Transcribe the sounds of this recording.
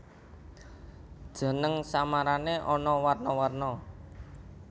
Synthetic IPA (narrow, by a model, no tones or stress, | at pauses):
d̥ʒ̥ə̤nəŋsamaɾaneʔɔnɔwarnɔwarnɔ